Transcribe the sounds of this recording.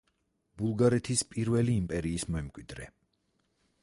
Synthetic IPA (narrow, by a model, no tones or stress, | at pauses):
b̥ulˠɡaɾɛt̪ʰispʼiɾvɛliːmpʼɛɾiːsmɔɛmkʼwid̪ɾɛ